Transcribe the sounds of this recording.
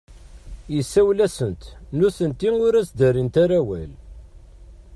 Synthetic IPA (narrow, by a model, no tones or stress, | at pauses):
jəsːæwlæsənt̪nuθənt̪iŋʊɾæt͡sd̪æɾint̪aɾæwæ̰l